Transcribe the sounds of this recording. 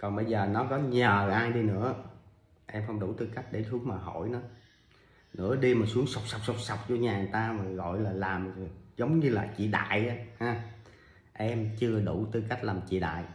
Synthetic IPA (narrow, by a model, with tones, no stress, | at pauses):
kɔ˨˩nɓə˧jzəː˨˩nɔ˨˦kɔ˨˦ɲəː˨˩˨ʔaː˧jɗi˧nɨ̰˧˥ə | ʔɛ˧mxə˧wŋ͡mɗu˧˩t̪ɨ˧ka˦˥jk̟̚ɗe˧˩su˨˦əŋmaː˨˩ɦo̰˧˩jnɔ˨˦ | nɨ̰˧˥əɗi˧maː˨˩su˨˦əŋsa˨˩wk͡p̚sa˨˩wk͡p̚sa˨˩wk͡p̚sa˨˩wk͡p̚t͡ɕɔ˧ɲaː˨˩˨t̪aː˧maː˨˩ɣɔ̰˧˨jlaː˨˩laː˨˩m˨zə˨˦wŋ͡mɲɨ˧laː˨˩t͡ɕḭ˧˨ɗa̰ː˧˨jʔaː˨˦haː˧ | ʔɛ˧mt͡ɕɨ˧əɗu˧˩t̪ɨ˧˩ka˦˥k̚laː˨˩mt͡ɕḭ˧˨ɗa̰ː˧˨j